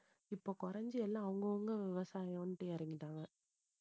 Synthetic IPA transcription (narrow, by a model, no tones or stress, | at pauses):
ɪpːoːkʊɾɐɲd͡ʒɯɛlːãːɐʋɐŋɡɐʊŋɡɐʋɪʋɐsaːjɐ̃nʈːeːjɐɾɪŋɡɪʈːãːŋɡɐ